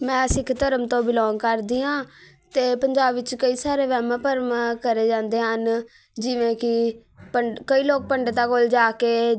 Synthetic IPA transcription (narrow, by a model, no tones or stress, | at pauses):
mɛ̃ːsɪkʰt̪əɾəmt̪õːbɪlɔ̃ːŋɡkəɾd̪iːɦãː | t̪eːpəɲd͡ʒaːbɪt͡ʃkəiːsaːɾeːʋɛːmãːpəɾmkəɾeːd͡ʒãːnd̪eːɦən | d͡ʒɪʋẽːkɪ | pəɳkəiːloːk̚pəɳɖt̪aːkold͡ʒaːkeː